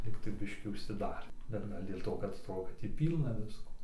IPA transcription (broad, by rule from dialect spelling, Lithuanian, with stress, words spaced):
ˈlʲiːktɐɪ ˈbʲɪʃʲkʲiː ʊʃʲsʲɪˈdɑːrʲeː bʲɛt ˈɡɐlʲ dʲeːlˠ ˈtoː kɐt ˈtoː kɐt ˈtʲiː ˈpʲiːlˠnɐ ˈʋʲɪskoː